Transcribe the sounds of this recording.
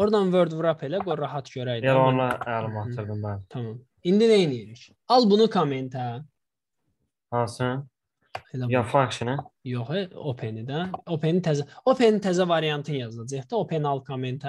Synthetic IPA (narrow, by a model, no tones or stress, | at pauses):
oɾd̪ɑnvøɾd̪vɾapʰelæɡoɾɑɦɑt̪ʰɟøɾæjd̪elonlˠɑælɯmɑtʰɯɾd̪ɯmbælt̪ʰɑmɑm | ind̪ineinijiɾic | ɑlˠbunukʰoment̪ʰæ | hɑsɯ | elajafakʃinijoχeopʰenid̪æopʰenit̪ʰæzæopʰenint̪ʰæzævɑɾijɑnt̪ʰɯnjɑzɑd͡ʒɯhd̪ɯopʰenɑlˠkʰoment̪ʰa